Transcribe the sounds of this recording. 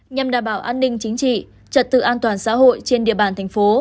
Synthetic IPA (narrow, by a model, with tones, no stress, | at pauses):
ɲə˨˩mɗaː˨˩mɓaː˧˩wʔaː˧nːï˧ŋ̟t͡ɕï˨˦ŋ̟t͡ɕḭ˧˨ | t͡ɕə˨˩t̚t̪ɨ̰˧˨ʔaː˧nt̪waː˨˩nsa̰ː˧˥ɦo̰˧˨jt͡ɕe˧nɗḭ˧˨əɓaː˨˩nt̪ʰɛ˨˩ŋ̟fo˨˦